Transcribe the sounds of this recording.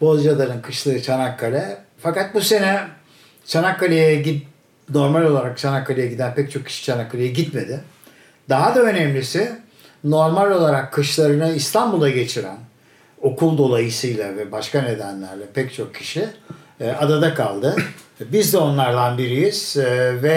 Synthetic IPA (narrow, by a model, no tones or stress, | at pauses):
bo̞zˠjalˠaɾɯnkʰɯʃlˠaɾɯt͡ʃʰanakʰːalʲɛ | fakat̪̚buse̞nɛ | t͡ʃʰanakʰːalʲejɛɟi | no̞ɾmalʲo̞lˠaɾak̚t͡ʃʰanakːalʲejɛɟid̪ænpɛc̚t͡ʃʰo̞kːʰi̥ʃi̥t͡ʃʰanakʰːalʲejɛɟit̪me̞d̪ɪ | d̪aɦad̪aønɛmlʲisɪ | no̞ɾmalʲo̞lˠaɾakʰːɯʃlˠaɾɯnaist̪ʰambulˠaɟe̞t͡ʃʰiɾæ̰n | o̞kʰulˠd̪o̞lˠajɯsɯjlʲˠavɛbaʃkane̞d̪ænlʲæɾlʲɛpɛct͡ʃʰo̞kcʰːi̥ʃi | ad̪ad̪akʰalˠd̪ɯbizd̪ɛo̞nlˠaɾd̪anbiɾijiz̥vɛ